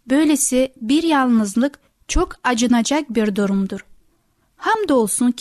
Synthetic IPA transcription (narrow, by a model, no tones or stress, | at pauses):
bø̞jlʲesibiɾjalˠnɯzlˠɯk | t͡ʃʰokʰad͡ʒɯnad͡ʒak̚biɾd̪uɾumd̪uɾ | hamd̪o̞lˠsuncʰ